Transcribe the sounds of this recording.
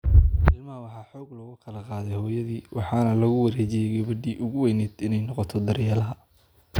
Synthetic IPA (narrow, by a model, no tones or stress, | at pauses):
ɪlmɐhɐwɑħɑːħɔːɡlɐɣʊkʰɐlɐqɑːðɛjhɔːjɐðiːwɑħɑːnɐlɐɣʊwɐɾeːt͡ʃɪjɛjɡɐβɐd̪iːʔʊɣʊwɛjnɛːd̪ɪnɛjnɔqɔt̪ʰɔd̪ɐɾjɐːlɐɦɐ